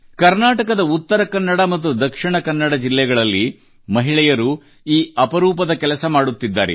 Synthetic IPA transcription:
kɐɾnaːʈɐkɐd̪ɐut̪ːɐɾɐkɐnːɐɽɐmɐt̪̬ːud̪ɐkʂiɳɐkɐnːɐɽɐd͡ʒilːɛɡɐɭɐlːi | mɐɦiɭɛjɐɾu | iːɐpɐɾuːpɐd̪ɐkɛlɐsɐmaːɽut̪ːid̪ːa̰ːɾḛ

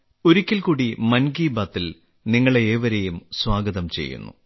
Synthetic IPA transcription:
oɾukʲːilkuːɽimɐnɡiːbaːt̪ːil | niŋːɐɭeeːʋɐɾejumswaːɡɐðɐmt͡ɕe̞̰jːṵnːṵ

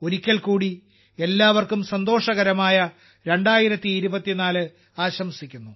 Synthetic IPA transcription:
o̞ɾikʲːɐɭkuːɽi | e̞lːaːʋɐrkumsɐnd̪o̞ːʂɐɣɐɾɐmaːjɐ | ɾe̞ɳɖaːjiɾɐt̪ːiːɾubɐt̪ːinaːlɨ | aːɕɐmsikʲːunːu

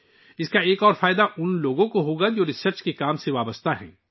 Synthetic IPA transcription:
ɪskaeːkɔːɾfaːɪd̪aʔʊnloːɡõkoɦoːɡad͡ʒoːɾɪsəɾt͡ʃkekaːmseʋaːbəst̪aɦɛ̰̃ː

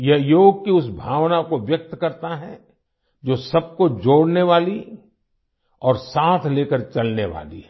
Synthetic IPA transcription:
jɐɦjoːɡ̚kiʊsbʱaːʋnakoʋjɐk̚t̪kɐɾt̪aɦɛ | d͡ʒoːsɐb̚kod͡ʒoːɽneʋaːli | ɔːɾsaːt̪ʰleːkəɾt͡ʃɐlneʋa̰ːlḭɦɛ

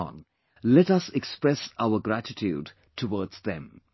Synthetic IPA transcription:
n | lɛtʌsekspɾɛsaʊəɡɾætɪtʰjuːd | ʈʰuwɔːdz̥ðɛ̰̃m

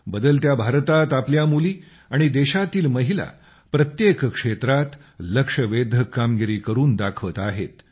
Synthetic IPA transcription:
bəd̪əlt̪jabʱaɾt̪at̪apljamuliː | aɽ̃id̪eɕat̪iːlməɦila̰ | pɾət̪jekkʂet̪ɾat̪ | ləkʂəʋed̪ʱəkːamɡiɾiːkəɾuːnd̪akʰʋət̪aɦet̪

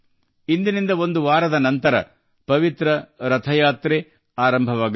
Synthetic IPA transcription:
ind̪inind̪ɐo̞nd̪uʋaːɾɐd̪ɐnɐnt̪ɐɾɐ̰ | pɐʋit̪ɾɐɾɐt̪ʰɐjaːt̪ɾe | aːɾɐmbʱɐʋaːɡ

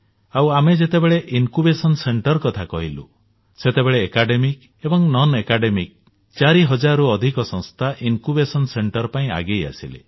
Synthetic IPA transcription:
awamed͡ʒet̪ebeɭeʔinkubesɔnseɳʈɔɾkɔt̪ʰakɔɦilṵ | set̪ebeɭeːkaɖemik | ebɔŋnɔnekaɖemik̚ | t͡ʃaɾiɦɔd͡ʒaɾuɔd̪ʱikɔsɔ̃ŋ̃st̪ʰaʔinkubesɔnseɳʈɔɾpaĩa̰ɡeja̰silḛ

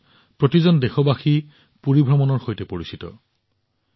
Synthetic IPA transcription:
pɹotizɔndɛxɔbaxi | puɹibʱɹɔmɔnɔɹxojtɛpoɹisitɔ̰

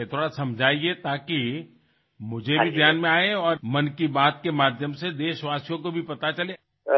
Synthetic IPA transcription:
t̪ʰoːɽasɐ̃md͡ʒʱaːiet̪aːki | mʊd͡ʒʱebbʱid̪ʱjaːnmẽaːeɔːɾmɐnkibaːt̪kemaːd̪ʱjəmsed̪eːʃʋaːsijõkobʱipɐt̪at͡ʃɐleː

